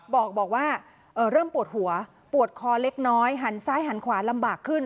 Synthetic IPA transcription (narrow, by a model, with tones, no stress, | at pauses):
bɔː˨˩k̚bɔː˨˩k̚waː˥˩ | ʔɤː˨˩ɾɤː˥˩mpu˨˩ət̪̚hu˩˦ɐ | pu˨˩ət̪̚kʰɔː˧le˦˥k̚nɔː˦˥jɦa˩˦nsaː˦˥jɦa˨˩˦nkʰwaː˩˦nla˧mbaː˨˩kʰːɯ˥˩n